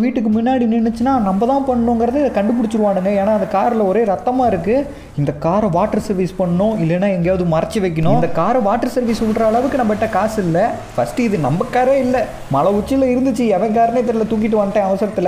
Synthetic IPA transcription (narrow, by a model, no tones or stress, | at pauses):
ʋiːʈːɯkːɯmʊnːaːɽinɪnːɛt͡ʃːɯnaːnɐmbɐðãːpɐɳːɐɳõːŋɡɪɾɐðɯɪðɐkɐɳɖɯp̬ɪɽɯt͡ʃːɪɾɯʋaːɳɯŋɡɐeːnaːɐnd̪ɐkaːɾlɐɔɾeːɾɐt̪ːɐmaːɪɾɯkːɯ | ɪnd̪ɐkːaːɾʋaːʈːɐɾsɐɾʋiːspɐɳːɐɳõːɪlːɛnːaːɛŋɡjaːʋɐðɯmɐɾɐt͡ʃːɯʋɐɪk̬ːɐɳõɪ̃ːnd̪ɐkːaːɾɐʋaːʈːɐɾsɐɾʋiːsʊɪʈɾɐːɭɐʋɯkːɯnɐmbɐʈːɐkaːsɪlːɐ | fɐsʈɯɪðɯnɐmbɐkːaːɾeːɪlːɐ | mɐlɐʊt͡ʃːɪlɐɪɾɯnd̪ɯt͡ʃːɯɛʋɐ̃ɪkaːɾɐnɐt̪ːɪɾɪlɐt̪uːk̬ːɪʈ̬ːɯʋɐnɯʈːẽːɐʋɐsɐɾɐt̪ːɪl